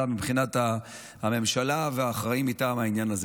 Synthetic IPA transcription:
amibχinat̪aː | me̞mʃalaveaχʁaimitaːmhainjanaz

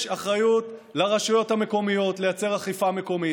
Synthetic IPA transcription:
ʃaχʁajutlaʁaʃujo̞thame̞ko̞mijo̞tlejat͡se̞ʁaχifame̞ko̞mi

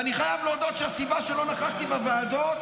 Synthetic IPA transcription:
aniχajavlod̪ot̪ʃeasibaʃelo̞naχaχt̪ibeveːd̪ot̪

